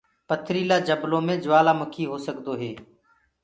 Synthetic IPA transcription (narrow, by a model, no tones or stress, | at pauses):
pət̪ʰɾiːlaːd͡ʒəblõːmẽːd͡ʒʋaːlaːmʊkʰiːɦoːsəkd̪oːɦeː